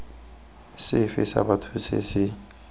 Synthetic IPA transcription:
sɪfisa̰batʰut͡sʰḭsɪ

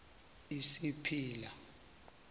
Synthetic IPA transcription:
isipʰiːla

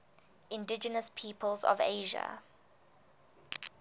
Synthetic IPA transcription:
ɪ̃ndɪd͡ʒənəspʰiːpʰəlzɔ̰veɪʒə̰

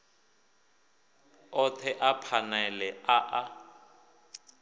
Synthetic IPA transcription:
ɔt̪ʰɛʔapʰanɛlɛaʔa

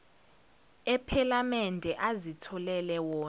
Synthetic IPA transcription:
ɛpʰalamɛndʱɛʔazitʰɔlɛlɛwɔː

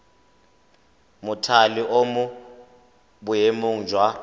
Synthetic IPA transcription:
mʊtʰaliʔomu | ɓujemuŋ̩d͡ʒʱwa

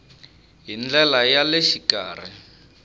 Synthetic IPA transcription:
ɦind͡ɮɛlajaleʃikaːri

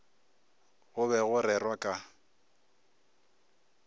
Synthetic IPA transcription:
ɣʊβɛɣʊrɛrwakʼa

